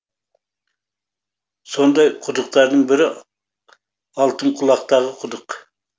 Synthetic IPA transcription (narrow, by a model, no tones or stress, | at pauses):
so̞nd̪ɑjqʰʊd̪əqt̪ɑɾd̪əɴbɪɾɪ | ɑlˠt̪əɴqʰʊlˠɑqt̪ɑʁəqʰʊd̪əq